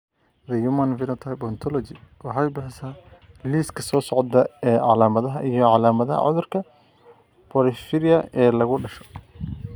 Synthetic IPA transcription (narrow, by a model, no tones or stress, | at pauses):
rɛjʊmɐnvɪnɐt̪ʰɐjbɔnt̪ʰɔlɔt͡ʃɪwɑħɑjbɪħɪsaː | liːskʰɐsɔːsɔʕd̪ɐɛːʕɑlaːmɐðɐɦɐʔijɔʕɑlaːmɐðɐɦɐ̰ʕʊ̰ðʊrkʰɐ | pʰɔɾɪfɪɾɪɐɛːlɐɣʊɖɐʃɔ̥